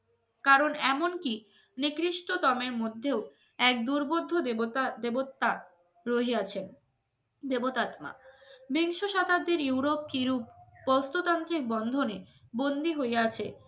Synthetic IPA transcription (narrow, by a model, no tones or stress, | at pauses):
kaɾonɛmonki | nikɾiʃʈot̪ɔmeɾmod̪ʱːeo | ɛk̚d̪uɾbod̪ʱːod̪ebot̪ːa | ɾoɦeat͡ɕʰen | d̪ebot̪at̪ma̰biŋʃoʃat̪abd̪eɾjuwɾop̚kiɾupːɔst̪ot̪ant̪ɾik̚bɔnd̪ʱone | bond̪iɦoeat͡ɕʰḛ